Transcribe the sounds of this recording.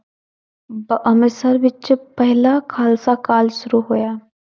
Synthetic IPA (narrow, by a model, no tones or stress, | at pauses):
bʔɐmɾsəɾʋɪt͡ʃpɛɦlakʰaːlsakaːlʃʊɾuɦoːjaː